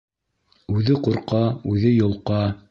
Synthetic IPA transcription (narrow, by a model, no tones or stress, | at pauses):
ʉðɘquɾqɑʉðɘjŏlˠqɑ